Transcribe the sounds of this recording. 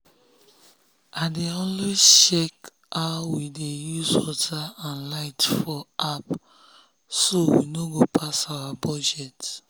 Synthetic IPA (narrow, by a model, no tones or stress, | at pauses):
adeɔ̃nliʃɛk | awidejuzwɔtʰaãnlaɪtfɔʔap | sowḭnoɡopʰasawabɔd͡ʒɛt